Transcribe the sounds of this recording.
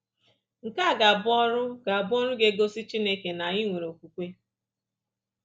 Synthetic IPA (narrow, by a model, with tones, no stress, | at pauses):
ŋ̩˨ka˦˨ɡa˨bʊ˦ɔ˦ɾʊ˦ɡa˨a˨bʊ˦ɔ˦ɾʊ˦ɡe˦ɡo˦si˦t͡ʃi˦ne˦ke˨na˨ɲɪ˦ŋʷe˨ɾo˨kʷu˨kʷe˦